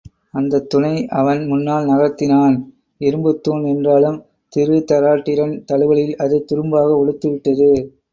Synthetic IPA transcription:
ɐnd̪ɐt̪ːʊɳɐɪʔɐʋɐnmʊnːaːlnɐɣɐɾt̪ːɪnaːn | ɪɾɯmbɯt̪ːuːnɛndraːlɯm | t̪ɪɾʋɪt̪ːɐɾaːʈːɪɾɐnt̪ɐɭɯʋɐɭɪlɐðɐɪt̪ːʊɾɯmbaːɣɐɔɭɯt̪ːɯʋɪʈːɐðɯ

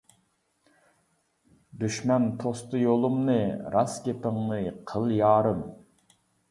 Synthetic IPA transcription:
d̪yʃmɛnt̪ʰost̪ɨjolˠumnɨɾʔɑskʲep̪ɪŋnɨqʰəlˠjɑːɾɨm

